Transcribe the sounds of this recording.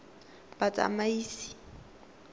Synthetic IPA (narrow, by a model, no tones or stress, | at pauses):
b̥at͡sʼa̰maiːsi̥